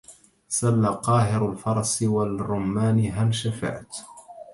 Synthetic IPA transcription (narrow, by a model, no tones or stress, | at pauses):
salːaqɑːɦɪɾalfɑɾˤɑsˤwalrˤːʊmːaːnɦanʃafa̰ːt̪